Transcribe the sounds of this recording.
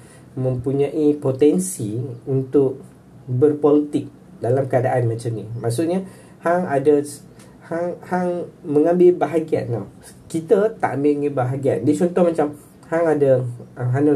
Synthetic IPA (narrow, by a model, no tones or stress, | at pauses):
mə̃mpuɲãʔipot̪ɛnsiunt̪ʊʔ̚ | bərpɔlit̪ɪk̚ | dalamkəadaʔanmat͡ʃamnĩmaʔsuʔ̚ɲa | haŋadəs | haŋhaŋmə̃ŋãmbɪlbaɦaɡia̰nla̰ | kit̪at̪a̰ʔambɪɲabaɦaɡia̰ndit͡ʃɔnt̪ɔhmat͡ʃam | haŋadaɦanə